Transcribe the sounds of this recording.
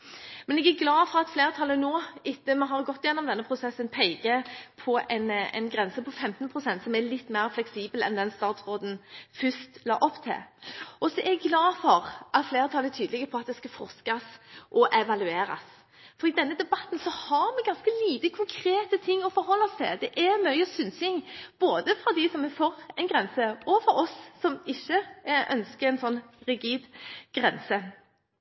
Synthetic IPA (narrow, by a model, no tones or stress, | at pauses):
mɛnɛɡæɾɡlɑːfɔɾɑt̪fleːɾt̪ʰɑlːənoːɪt̪ːəmɛɦɑɾɡɔt̪ːɪjɛnːɔmd̪ɛnːəpʰɾʊsɛsːənpʰɛɪɡəpʰɔɛɪnɛ̰ɪnɡɾɛnsəpʰɔfɛmt̪npʰɾʊsɛnt̪sɔmælɪt̪ːmæːʁflɛksiːbəlɛ̰nd̪ɛnst̪ɑːt̪sʁoːd̪n̩fʏst̪lɑ̰ːʔɔpːt̪ʰɪ̰lʔɔsɔʔɛɛɡɡlɑːfɔʁʔɑt̪fleːɾət̪ʰɑləæt̪ʰyːd̪lɪɡəpʰɔɑt̪̚d̪ɛskɑfɔʁskɑsʔɔʔɛʋɑlʉeːɾɑ̰s | fɔɾɪd̪ɛnːəd̪ɛbɑt̪nsɔhɑɾmɛɡɑnskəliːt̪əkʰʊŋkʰɾeːt̪ət̪ʰɪŋːɔfɔɾɦɔlːɔst̪ʰɪ̰ld̪ɛʔɛmœʏəsʏnsɪŋb̥oːd̪əfɾɑd̪ɪsɔmɛfɔɾɛɪnɡʁɛnsəɔfɔɾɔsːɔmɪçːəʔœ̰nskəɾɛɪnsɔnːʁɪɡiːd̪ɡ̥ɾɛnsə